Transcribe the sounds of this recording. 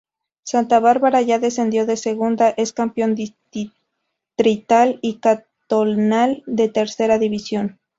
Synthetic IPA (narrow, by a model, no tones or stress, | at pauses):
sant̪aβaɾβaɾaʝaðe̞s̬end̪jo̞ðe̞se̞ɣund̪aʔe̞skampjo̞nd̪i | t̪ɾit̪alika | t̪onald̪e̞t̪e̞ɾse̞ɾaðiβisjo̞n